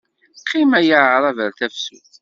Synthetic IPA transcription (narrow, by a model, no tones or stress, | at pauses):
qʰːimæjəʕɾˤɑvəɾθæfsṵθ